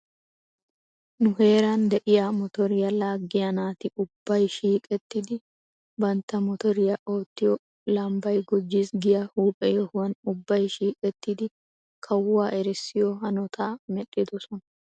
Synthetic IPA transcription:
nʊɦe̞ːɾɐnd̪ɛʔɪjamɔt̪ɔɾɪjɐlaːɡːɪjɐnaːt̪ɪʔʊbːɐjʃiːkʼɛt̪ːɪd̪ɪ | bɐnt̪ːɐmɔt̪ɔɾɪjɐʔo̞ːt̪ːɪjɔ | lɐmbɐjɡɔd͡ʒːiːsɡɪjahuːpʼɛjɔhʊwɐnʊbːɐjʃiːkʼɛt̪ːɪd̪ɪ | kʰɐwːaːʔɛɾɪsːɪjɔɦɐnɔt̪ʰaːmɛɗɪd̪ɔsɔnɐ

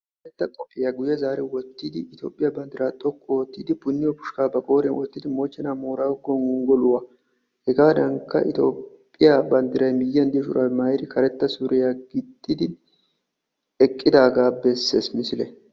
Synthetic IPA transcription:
kɐɾɛt̪ːɐt̪ʼɔfʼɪjaɡʊjɛzaːɾɛwɔt̪ːid̪ɪɪt̪jo̞ːpʼːɪjabɐnd̪ɪɾaːt̪ʼɔkʼːowɔt̪ːiːd̪ɪpʊnːɪjɔbʊʃkaːbɐkʼo̞ːɾɛnwɔt̪ːɪd̪ɪmo̞ːt͡ʃːɛnaːmoːɾaɡɔnʊŋɡɔlʊwaː | hɛɡaːd̪ɐŋkːɐ̰ʔɪ̰t̪o̞̰ːpʼːɪjabɐnd̪ɪɾɐjmɪjːɐnd̪ɪɔʃʊ̰ɾʔɐmɐjɾɪkʰɐɾɛt̪ːɐsuːɾɪjaːɡɪd̪ːɪd̪ɪ | ɛkʼːɪd̪aːɡaːbɛsːḛːsmɪsɪlɛ̰

